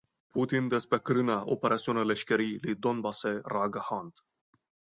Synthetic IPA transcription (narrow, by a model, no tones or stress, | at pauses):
pʰut̪ind̪espɾekɾɨnaʔo̰peɾʔat̪siunaleʃkʲeɾilid̪onbaseraɡəhant̪